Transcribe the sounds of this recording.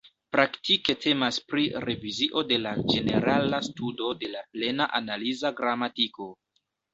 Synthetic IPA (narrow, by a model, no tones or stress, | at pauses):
pɾaktike̞tʰe̞maspɾiɾe̞viziʔo̞de̞lad͡ʒe̞ne̞̰ɾalastudo̞de̞laple̞naʔanalizaɡɾamatiko̞